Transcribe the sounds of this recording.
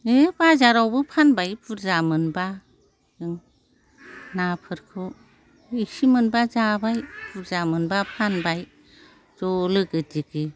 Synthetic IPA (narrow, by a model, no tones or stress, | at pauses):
ebazaɾawbɯpʰanbajpʰuɾzamɯnba | ɯŋ | napʰɯɾkʰɯ | isimɯnbazabajpuɾzamɯnbapʰanbaj | zɔlɯɡɯdiɡɯ